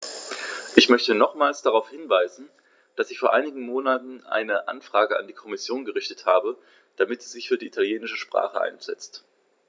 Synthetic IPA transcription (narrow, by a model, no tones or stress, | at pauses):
ʔɪçmœçtənɔχmaːlsd̥aʁaʊfhɪnvaɪzn̩ | d̥asɪçfoːɐʔaɪnɪɡŋ̩moːnatn̩ʔa̰ɪnəʔa̰nfʁ̥aːɡəa̰ndiːkʰɔmɪsjoːnɡəʁɪçtə̥thaːbə | d̥amɪtz̥iːzɪçfyːɐdiːʔitʰaljeːnɪʃəʃpʁ̥a̰ːχəʔa̰ɪnz̥ɛ̰t͡st